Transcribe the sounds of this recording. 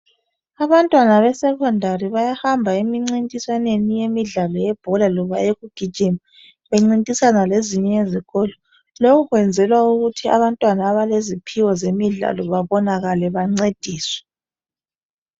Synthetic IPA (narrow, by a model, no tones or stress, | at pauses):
aβantʼwanaβɛsɛkʰɔndʱariβajahambʱaimiŋ͡ǀintʼisanenijemiɮalɔjɛb̥ʱɔlalɔβaeɣuɡ̥ʱi̥ʒ̥ʱim | βeŋ͡ǀintʼisanaleziɲɛeziɣɔlɔ | lokʰuɣwɛnd͡zʱɛlwauɣutʰia̰βantʼwanaːβalezipʰiwɔzemiɮa̰lɔβaβɔnaɣalɛβaŋ͡ǀed̥ʱiːswɛ̥